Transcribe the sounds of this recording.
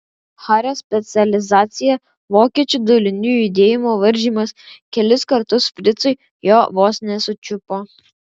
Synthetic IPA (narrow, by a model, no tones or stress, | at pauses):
xɑːɾʲoːsʲpʲɛt̪sʲɪɐlʲɪzɑːt̪sʲɪjɛ | ʋoːkʲiɛt͡ʃʲud̪ɔlʲɪnʲujid̪ʲeːjɪmoːʋɐɾʲʒʲiːmɐskʲɛlʲɪskɐɾt̪ʊspʲɾʲɪt̪sɔɪ | joːʋoːsʲnʲɛsʊt͡ʃʲʊpoː